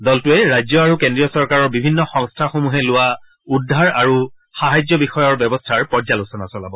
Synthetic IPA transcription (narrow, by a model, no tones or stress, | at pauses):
dɔltʊɛɹajzjɔaɹukendɹijɔsɔɹkaɹɔɹbibʱinːɔxɔŋstʰaxomuɦɛlʊwa | udʱːaɹaɹu | xaɦajd͡ʒjɔbixɔjɔɹbjɔbɔstʰaɹpɔɹzalusɔnasɔla̰bɔ